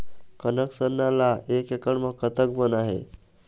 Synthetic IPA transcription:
kənəksənːalaekekəɳməkːət̪ək̚bənaɦḛ

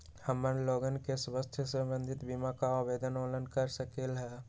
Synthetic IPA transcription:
həmːənloːɡənkeswəst̪ʰjəsə̃mbə̃nd̪ʱɪt̪bimakaaʋeːd̪ənoːlənkəɾsəkeːlɦɛː

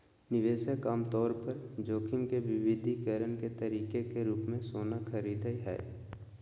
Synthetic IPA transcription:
nɪʋeːsəkaːmt̪ɔːɾpəɾd͡ʒoːkʰɪmkeʋɪʋɪd̪ʱikəɾənket̪əɾiːkekeɾuːpmẽsoːnakʰəɾiːd̪əiɦɛ̰ː

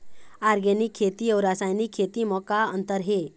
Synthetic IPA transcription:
aɾɡenikʰːet̪iɔɾasajnikʰːet̪iːmɔkaənt̪əɾɦe

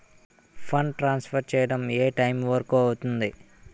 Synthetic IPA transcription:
pʰɐɳʈɾaːnspʰɐɾt͡ʃɛːjɐɽɐmeːʈɐjmʋɐɾɐkuːɐwut̪und̪i

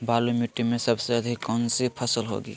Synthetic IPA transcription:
baːlumuʈːimẽsəbseəd̪ʱikːɔnsipʰəsəlɦo̰ɡḭː

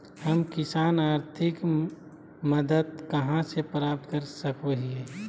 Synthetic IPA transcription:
həmkɪsaːnaːɾt̪ʰɪk | məd̪əd̪̚kɐɦãsepɾaːp̚t̪kəɾsəkoɦie

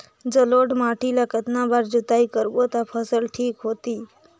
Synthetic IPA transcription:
d͡ʒəloɖmaʈʰilakət̪nabaɾd͡ʒut̪aikəɾbot̪apʰəsəlʈʰiːkɦot̪i

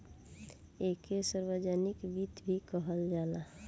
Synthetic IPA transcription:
ekesəɾwəd͡ʒanɪkbit̪bʱikəɦəld͡ʒaːla

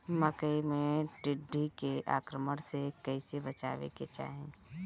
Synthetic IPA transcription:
məkəimẽɖɪɖːikeʔa̰ːkɾəməɽ̃sekəɪsebət͡ʃa̰ːʋḛket͡ʃa̰ːɦẽ

